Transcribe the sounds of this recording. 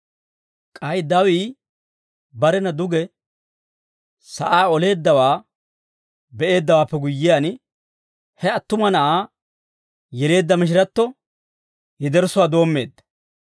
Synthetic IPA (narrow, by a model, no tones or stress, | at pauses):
kʼɐjd̪ɐwiː | bɐɾɛnɐd̪ʊɡɛ | sɐʔaːɔle̞ːd̪ːɐwaː | bɛʔe̞ːd̪ːɐwaːpːɛɡʊjːɪjaːn | hɛɐt̪ːʊmɐnɐʔaː | jɛle̞ːd̪ːɐmɪʃ̬ɪɾɐt̪ːɔ | jɪd̪ɛɾsʊwaːd̪o̞ːmːe̞ːd̪ːɐ̥